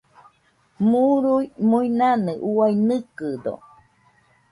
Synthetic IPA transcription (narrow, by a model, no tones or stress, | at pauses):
muɾuimuinanɨʔuainɨkɨd̪o̰